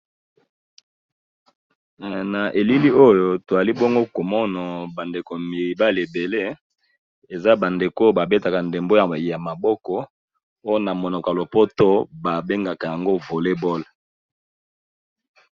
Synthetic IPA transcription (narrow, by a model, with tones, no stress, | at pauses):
na˨ʔe˨li˦li˦o˦jo˦to˨a˨li˦bɔ˦ŋɡo˦ko˨mɔ˦na˨ba˨nde˨ko˨mi˨ba˦le˨be˨le˦ | e˨za˦ba˨nde˨ko˦ba˨be˦ta˨ka˨nde˨mbo˦ja˨ja˨ma˨bɔ˦kɔ˦ | o˦jo˦na˨mo˨nɔ˨ka˨lo˨pɔ˦to˦ba˨be˦ŋɡa˨ka˨ja˨ŋɡo˦vo˨le˦bɔ˦l